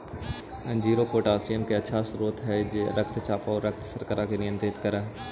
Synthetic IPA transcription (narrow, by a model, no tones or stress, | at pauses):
ɛ̃nd͡ʒiːɾokoːʈaːsijəmkeɐtːʃʰasɾuːt̪ɦɛd͡ʒeːɾɐk̚t̪ʰt͡ʃaːpaɔɾɐk̚t̪ʰsɐɾkəɾakenɪjə̃nt̪ɾɪt̪kɐɾaːɦ